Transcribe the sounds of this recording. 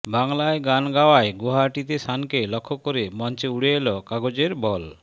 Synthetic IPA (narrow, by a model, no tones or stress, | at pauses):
baŋlaeɡanɡawaeɡoɦaʈit̪eʃankelɔkʰːokoɾemɔnt͡ɕeuɽeelɔkaɡod͡ʑeɾbɔl